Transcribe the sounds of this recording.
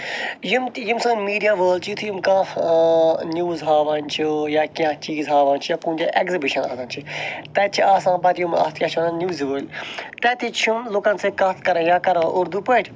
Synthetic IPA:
jimjimsɐ̃ːmiːɖijaːʋəːlt͡ʃʰit̪ʰujimkãː | njuːzɦaːʋaːnt͡ʃʰijaːkiãt͡ʃiːzɦaːʋaːnʲt͡ʃʰijaːkũːt̪ʲaʔekzibiʃɐna̰ːsãːnt͡ʃʰit̪ɛːtt͡ʃʰiaːsãːpɐt̪ʰijumɐ̰t̪ʰkʲjaːt͡ʃʰɐnãnʲjuːzʋəːlʲt̪ɛːt̪ʰit͡ʃʰumlukɐnsekɐt̪ʰkɐɾãːjãːkɐɾãːʔʊɾd̪upɐːʈʲ

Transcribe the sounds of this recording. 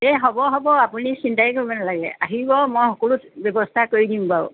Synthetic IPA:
ɛɦɔbɔɦɔbɔapunisintajkoɹibɔnalaɡɛ̰a̰ɦibɔmɔjxɔkɔlutbɔbɔstʰakoɹidiʊ̃baʊ

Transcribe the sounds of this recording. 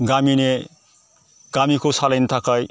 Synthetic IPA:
ɡamine | ɡ̥amikosalʌjnt̪ʰakʌj

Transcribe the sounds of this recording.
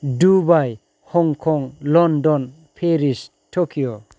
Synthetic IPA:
dubaj | hɔŋkʰɔŋlɔndɔn | pʰeɾis | tʰokʰijo

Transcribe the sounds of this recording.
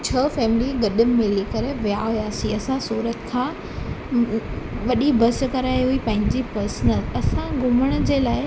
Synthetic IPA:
t͡ɕʰɐfɛːmɪliɡɐɗɪmmɪlikɐɾeʋijaɦujaːsĩɐsãsuːɾət̪kʰãː | ʋɐɗibɐs̆kɐɾaːjɦuipɐ̃ːɦɪ̃ɲ̆d͡ʑipɐɾsnəlɐsãɡʱʊməɽ̃̆d͡ʑeːlaːɪ

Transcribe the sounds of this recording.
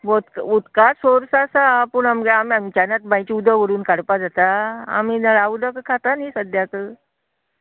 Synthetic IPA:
bot̪kut̪kasoɾsasapuɳamɡeamiamt͡ɕanat̪̚bãjt͡ɕiud̪ʱəʋəɾuːnkaɽpad͡zat̪aa̰minəɭaud̪əkəkʰat̪aniːsəd̪jakə

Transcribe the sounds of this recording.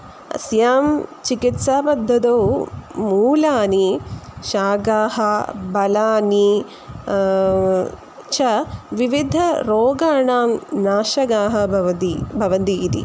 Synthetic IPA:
ɐ̰sjaːmt͡ʃikit̪saːpɐd̪ʱːɐd̪oːmuːlaːniʃaːɡaːhɐbɐlaːni | t͡ʃʰɐʋiʋid̪ʱɐɾoːɡaːɳaːmnaːʃɐɡaːɦɐ̆ibʱɐʋɐnd̪iːd̪ḭ

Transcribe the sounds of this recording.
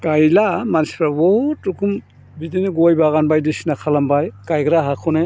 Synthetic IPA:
ɡ̥ajlamanspʰɾabɔtːukʰum | bidiniɡɔjbaɣanbajdisinakʰalambajɡ̥ajɡɾaɦakʰɔne

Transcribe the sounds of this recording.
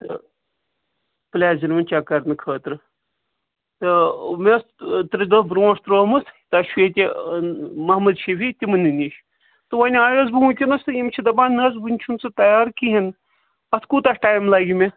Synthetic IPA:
t̪ɨ̰ | plʲaːziɾmɐnʲt͡ʃakɐɾnɨkʰəːt̪ɾɨ | t̪ɨmest̪ɾɨd̪ɐbɾõːst̪ɾoːmɨsit̪ɐʃweːt̪ʲe | mɐhmɐd̪ʃifit̪ʲimɨnɨniʃ | t̪ɨʋɐnʲaːjozbɨut̪ʲinɐst̪ɨjimt͡ʃʰid̪ɐbaːnːɐzbɨnʲt͡ʃʰunt͡sɨt̪ɐjaːɾkiɦin | ɐt̪ʰkuːt̪ɐʂʈaːjmlaɡʲime

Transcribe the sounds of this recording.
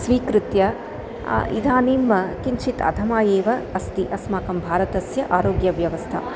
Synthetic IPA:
sʋiːkɾɪt̪jɐ̰ | ḭd̪ʱaːniːmːɐkinʃit̪ɐ̰d̪ʱɐmaːjeːʋɐɐst̪iʔɐsmaːkɐmbʱaːɾɐt̪ɐsjɐʔaːɾoːɡjɐʋjɐʋɐst̪ʰɐ̰

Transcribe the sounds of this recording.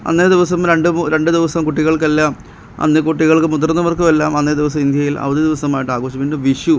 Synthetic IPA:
ɐ̰nːed̪iʋɐsɐmɾe̞ɳɖɨmɾe̞ɳɖɨd̪iʋɐsɐmkuʈːiɣɐɭkelːaːm | ɐ̰nːekuʈːiɣɐɭkɨmut̪rɐnːɐʋɐrkumelːaːmɐnːed̪iʋɐs̬ɐmind̪jɐjilɐ̰ʋɐðid̪iʋɐsɐmaːjiʈːaːɣoːɕɐminːɨʋiʂu

